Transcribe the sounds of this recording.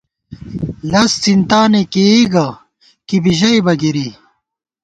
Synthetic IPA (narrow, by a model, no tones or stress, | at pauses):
lɐst͡sint̪aːnekeiɡɐ | kibiʑɐibɐɡiɾi